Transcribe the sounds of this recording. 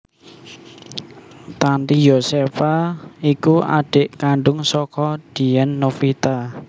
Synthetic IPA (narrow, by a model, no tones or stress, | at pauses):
t̪ant̪ijosefaikua̰ɖ̥eʔkaɳɖʊŋsɔkɔd̪̥i̤jɛnːofit̪a